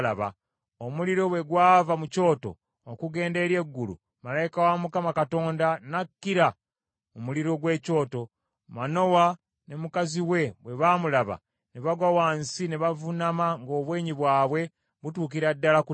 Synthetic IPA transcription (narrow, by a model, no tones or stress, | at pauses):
laβa̰ | omuliɾo̞βwe̞ɡwaːvamuco̞ːto̞̰ː | kuɡe̞ːnde̞ɾje̞ɡːulṵ | malaikawamukamakato̞ːndanakːiɾa | omuliɾo̞ɡwe̞ːco̞ːto̞ | mano̞wa | ne̞mukaziwe̞βwe̞βaːmulaβa̰ | neβaɡwawaːnsineβavunamaŋɡo̞ːβweːɲiβwaːβwe̞ | βutuːk̬iɾadːalaku